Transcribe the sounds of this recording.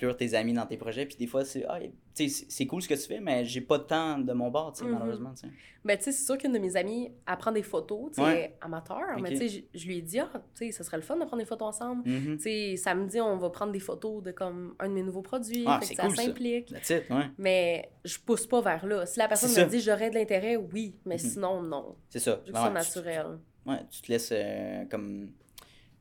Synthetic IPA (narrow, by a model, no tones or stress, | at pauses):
kyːʁt̪ezamid̪ɑ̃t̪epʁɔʒɛpi̥d̪efwasea̰ | t͡sese̥sɛkulsəkət̪y̥fɛmɛʒepɔd̪ət̪ɑ̃d̪əmɔ̃bɑːʁt͡semaləʁøzmɑ̃t͡sḛ | bɛt͡sesɛ̥syːʁkʏnd̪əmezamiapχɑ̃d̪efot̪ot͡seɛa̰mat̪ʰœːʁmɛt͡seʒʒəlɥiɛd͡z̪iat͡sesəsəʁɛləfɔnd̪əpʰʁɑ̃d̪d̪eɪfot̪oɑ̃sɑ̃bl̩t͡sesamd͡ziɔ̃vʌpχɑ̃d̪ʁd̪efot̪od̪əkɔmœ̃d̪əmenuvopχɔd͡zɥiafɛksesaulsɛ̃plɪkʲasɪtwɛmɛʒəpuspɔvɛːʁlɔsilapɛʁsɔnməd͡ziʒɔʁɛd̪əlɛ̃t̪eʁɛwimɛsinɔ̃nɔ̰̃sɛsɔʒsɔnat͡syʁɛl | wɛ̰t͡s̪y̥t̪əlɛsøkɔm